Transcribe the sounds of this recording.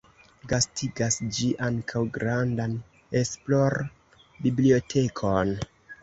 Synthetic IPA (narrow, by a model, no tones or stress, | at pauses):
ɡastiɡasd͡ʒiʔaŋkʰawɡɾandan | esploɾ | biblio̞tʰe̞kʰon